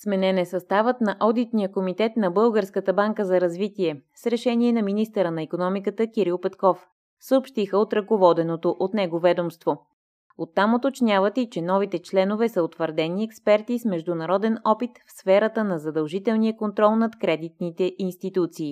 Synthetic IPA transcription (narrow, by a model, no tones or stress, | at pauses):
smɛnɛnɛsɐst̪avət̪nɐʔɔd̪it̪nijəkomit̪ɛt̪nɐbɤlˠɡəɾskət̪əbaŋkəzɐɾɐzvit̪iɛsɾɛʃɛniɛnɐminist̪əɾənɐikonɔmikət̪əkʲiɾilˠpɛt̪kɔf | səopʃt̪ixəot̪ɾɐkovɔd̪ɛnot̪oʔot̪nɛɡovɛd̪omst̪vo | ot̪ːamot̪ot͡ʃnʲavət̪it͡ʃɛnɔvit̪ɛt͡ʃlɛnovɛsəot̪vəɾd̪ɛniɛkspɛɾt̪ismɛʒd̪unɐɾɔd̪ɛnɔpit̪fsfɛɾət̪ənɐzɐd̪ɐlˠʒit̪ɛlˠnijəkont̪ɾɔlˠnɐt̪kɾɛd̪it̪̚nit̪ɛʔinst̪it̪ut̪siː